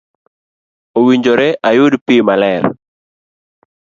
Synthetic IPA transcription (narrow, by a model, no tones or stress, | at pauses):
owiɲd͡ʒoɾɛʔajʊdpimalɛɾ